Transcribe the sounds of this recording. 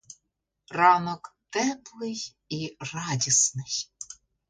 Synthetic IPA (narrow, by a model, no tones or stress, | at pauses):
rɑnokt̪ɛplˠɨç | irɑdʲisnɨj